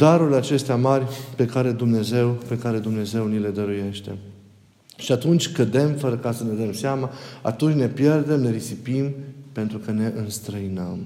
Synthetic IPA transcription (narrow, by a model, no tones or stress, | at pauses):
d̪aɾulʲat͡ʃe̞st̪eamarʲpe̞kaɾe̞d̪umne̞ze̞wpe̞kaɾe̞d̪umne̞ze̞wnile̞d̪əɾuje̞ʃt̪e̞ | ʃiat̪unt͡ʃʲkəd̪e̞mfəɾəkasəne̞d̪əmseamaa̰t̪unt͡ʃne̞pje̞rd̪e̞mne̞ɾisipimpe̞nt̪ɾukəne̞ʔɨnst̪ɾəinəm